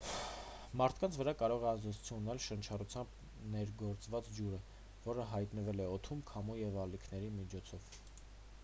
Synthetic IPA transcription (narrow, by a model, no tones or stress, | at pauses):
mɑɾt̪ʰkɑnt͡sʰvəɾɑkɑɾɔʁɛɑzd̪ɛt͡sʰu̥t͡sʰjunnɛlʃənt͡ʃʰɑrut͡sʰjɑmb | nɛɾɡɔɾt͡svɑt͡sd͡ʒuɾə | vɔɾəɦɑjt̪nəvɛlɛɔt̪ʰumkʰɑmujɛvɑlikʰnɛɾimit͡ʃʰɔt͡sʰɔv̥